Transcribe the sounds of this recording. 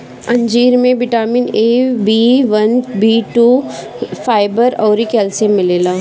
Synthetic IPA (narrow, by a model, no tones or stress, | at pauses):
ɐ̃ɲd͡ʒiːɾmẽbɪʈaːmineːbiːʋɐnbiːʈuː | faːɪbəɾɔːɾikɛːlsemɪleːlaː